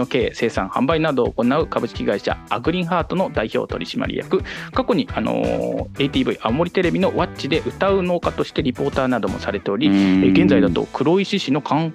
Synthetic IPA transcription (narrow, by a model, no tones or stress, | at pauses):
oke̞ːse̞ːsã̰ɰ̃hã̰mbainad̪oːko̞naɯ̟kabɯ̟ɕi̥kʲiɡaiɕa̰ːɡɯ̟ɾʲĩɰ̃haːt̪o̞no̞d̪aiço̞̰ːt̪o̞̰ɾʲḭɕima̰ɾʲḭja̰kɯ̟kako̞ɲ̟iano̞̰e̞it̪ʲiːbɯ̟iʔamamo̞ɾʲit̪e̞ɾe̞bʲino̞βat͡ɕid̪e̞ʔɯ̟t̪aɯ̟no̞ːkat̪o̞ɕi̥t̪e̞ɾʲipo̞ːt̪aːnad̪o̞mo̞saɾe̞t̪e̞o̞ɾʲiɡe̞nzaid̪at̪o̞̰kʰɯ̟ɾo̞iɕiɕino̞kʰãŋ